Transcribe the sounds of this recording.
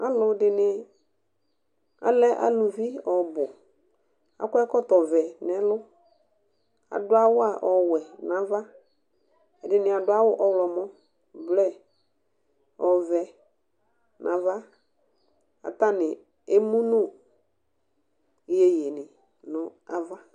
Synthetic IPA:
a˦lʊ˨dɪ˨nɪ˨ | a̰˨lɛ˦ʔa̰˨lʊ˨vi˦ɔ˨bʊ˨ | a̰˨˦kɔ˦ɛ˦kɔ˦tɔ˨vɛ˨nɛ˨lʊ˦ | a̰˨dʊ˦a˦wʊ˦a˨ʔɔ˨wɛ˨nã˨va˦ | ɛ˨dɪ˨nɪ˨a˨dʊ˦a˦wʊ˦ʔɔ˦wlɔ˨mɔ˦ | blɛ˦ | ɔ˨vɛ˨ | nʔã˨va˦ | a̰˨ta˦nɪ˨ | e˦mu˦nʊ˦˨ | je˨je˨nɪ˨ | nʊ̃˨a˨va˦

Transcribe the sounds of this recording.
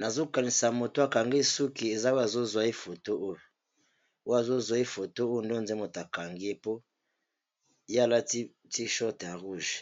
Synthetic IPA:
na˨zo˦ka˨ni˨sa˨mo˨to˦a˨ka˨ŋɡe˦su˦ki˨e˨za˦o˦a˨zo˦zwa˦e˦fo˨to˦o˦jo˨ | o˦a˨zo˦zwa˨i˦fo˨to˦o˦jo˨nde˦˨nde˦mo˨ta˨ka˨ŋɡe˦po˦ | ja˦la˦ | ti˦ʃɔ˦te˨ja˨ʁu˦˨ʒ

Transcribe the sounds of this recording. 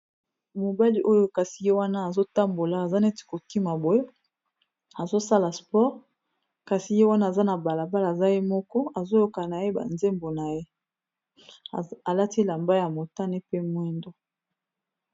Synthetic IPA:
mo˨ba˦li˦ʔo˦jo˦ka˨si˨je˦wa˦na˦a˨zo˦ta˦mbo˨laː˨za˦ne˦ti̥˨ko˨ki˦ma˨bo˨e˦ | a˨zo˦sa˦la˨spɔ˦ʁ | ka˨si˨je˦wa˦na˦a˨za˦na˨ba˨la˨ba˦lza˦je˦mɔ˦kɔ˦a˨zo˦jo˦ka˨na˨je˦ba̰˨nze˦mbo˨na˨je˦ | a˨la˦ti˦la˨mba˦ja˨mo˨ta˦ne˦pe˦mwɛ˦ndo˦

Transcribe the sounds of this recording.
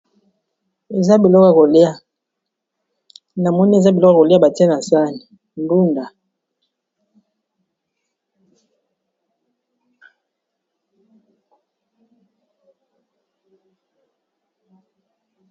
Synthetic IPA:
e˨za˦bi˨lɔ˦ka˦˨ko˨li˦a˦ | na˨mɔ˦ni˦e˨za˦bi˨lɔ˦ka˦ko˨li˦a˦ba˨ti˦a˦na˨sa˦ni˨ | nbu˦nda˨

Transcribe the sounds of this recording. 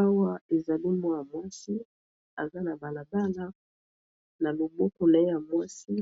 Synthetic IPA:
a˦wa˦e˨za˨li˦mwa˦ja˨mwa˦si˦ | a˨za˦na˨ba˨na˨ba˦la˦ | na˨lo˨bɔ˦ko˨na˨e˦ja˨mwa˦si˦

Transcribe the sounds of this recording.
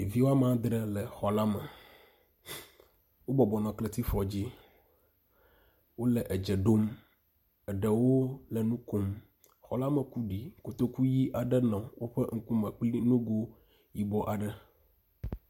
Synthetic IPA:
e˨vi˦wo˦a˦m˦ã˦d̪ɾə˦lɛ˨xɔ˨la˦mə˨ | wo˦bɔ˨bɔ˨nɔ̃˨kle˨t̪i˦fɔ˨d͡ʑi˦ | wo˦lɛ˨ʔɛ˨d͡ʒɛ˨ɖo˦m | ɛ˨ɖə˨wo˦lɛ˨nũ˦ko˦˨m | xɔ̰˨la˦mə˨ku˦ɖi˨ko˨t̪o˦ku˦ji˦ʔa˨ɖə˦nɔ̃˨wo˦ɸɛ˦ŋ̩˦ku˦mə̃˨k͡pli˦nũ˦ɡo˦ | ji˦bɔ˦ʔa˨ɖə˦

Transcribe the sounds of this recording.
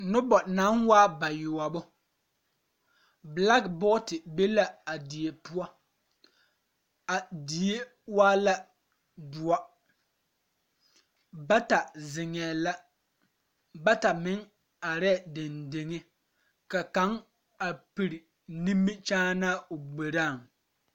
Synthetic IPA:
nʊ˦bɔ˨na˨˦nwaː˦ba˨jʊ˨wa˨bʊ˦ | bla˦kbɔ˦tɪ˨be˦la˦a˨di˨e˨pu˦ɔ˦ | a˨di˨e˦ | waː˦la˦ | dʊ˨ɔ˦ | ba˦ta˨zɪ˨ŋɛː˨la˦ | ba˦ta˨mɪ˦ŋ | a˨ɾɛ˦˨de˨nde˨ŋe˦ | ka˨ka˨˦ŋ | a˨pi˨ɾi˨ | nĩ˦mːɪ˦t͡ʃaː˦na˦o˨ɡ͡be˨ɾaː˦˨ŋ

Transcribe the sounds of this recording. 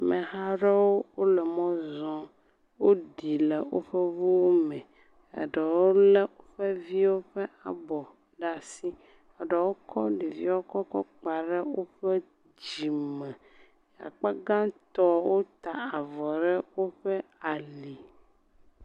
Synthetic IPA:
mɛ̃˨ɦa˦ɖe˦wo˦wo˦lɛ˨mɔ̃˦zɔ̃˨ | wo˦ɖi˨le˨wo̰˦ɸɛ˦vu˦wo˦mɛ̃˨ | a̰˨ɖe˨wo˦lɛ˦wo˦ɸɛ˦vi˦wo˦ɸɛ˦a˨bɔ˨ | ɖa˦si˦ | a˨ɖe˨wo˦kʰɔ˦ɖi˨vi˦wo˦kɔ˦kɔ̰˦k͡pa˨ɖe˦wo˦ɸɛ˦ | d͡ʑi˨mɛ˨ | ja̰˨k͡pa˦ɡã˦t̪ɔ˦wo˦t̪a˨a˨vɔ˨ɖɛ˦wo˦ɸɛ˦a˨li˨

